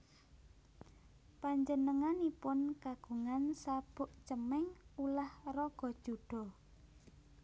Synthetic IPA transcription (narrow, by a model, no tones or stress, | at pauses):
paɲd͡ʒənəŋanipʊnkaɡ̥ṳŋansab̥ʊʔt͡ʃəmɛŋulahrɔɡ̥ɔ̤̥ʒ̥ṳɖ̥ɔ̤